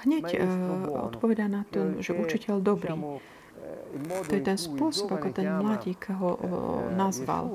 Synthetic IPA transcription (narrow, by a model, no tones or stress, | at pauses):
ɦɲɛc | ɔ̰t̪pɔʋɛd̪anat̪ɔʒɛʔut͡ʃicɛʎd̪ɔbɾiː | t̪ɔjɛt̪ɛnspʊɔsɔbakɔt̪ɛnmlaɟiːkɦɔnazʋa̰l